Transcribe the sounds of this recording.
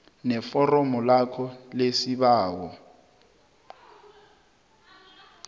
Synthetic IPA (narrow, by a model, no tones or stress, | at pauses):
nɛfɔrɔmɔlakʰɔlesiɓaːwɔ